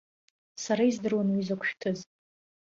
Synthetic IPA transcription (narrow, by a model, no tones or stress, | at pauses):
saɾaizdɨrwanwizakʷʰʃᶣtʰɨz